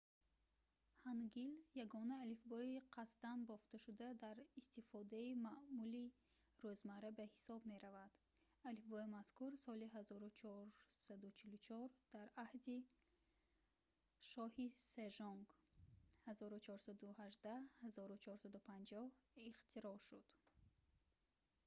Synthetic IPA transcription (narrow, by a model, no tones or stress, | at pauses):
hanɡiljaɡɔnaːlifbɔiqʰast̪anbɔft̪aʃud̪ad̪aɾist̪ifɔd̪aimaʔmuli | ɾøzmaɾabahisɔbme̞ɾavad̪̥ | alifbɔimaskuɾsɔliɦazɔɾut͡ʃʰɔɾsad̪ut͡ʃʰilut͡ʃʰɔɾd̪̥aɾahd̪i | ʃɔhiseʒɔŋɡ | hazɔɾut͡ʃʰɔɾsad̪uhaʒd̪ahazɔɾut͡ʃʰɔɾsad̪upʰand͡ʒɔhiχt̪ʰiɾɔʃud̪̥